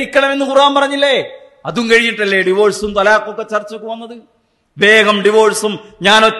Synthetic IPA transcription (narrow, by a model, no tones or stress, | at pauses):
ikʲːɐɳɐme̞nːɨkurʋaːnpɐrɐɲːilːe | ɐðumkɐɻiɲːiʈːɐlːeɖiʋo̞ːɻsumt̪ɐlaːkːokːe̞t͡ɕɐrt͡ɕːokːɨʋɐnːɐðɨ | ʋe̞ːɡɐmɖiʋo̞ːɭsumɲaːno